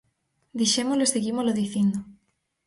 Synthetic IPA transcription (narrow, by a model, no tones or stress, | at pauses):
d̪iʃemozloeseɣimozloðiθind̪o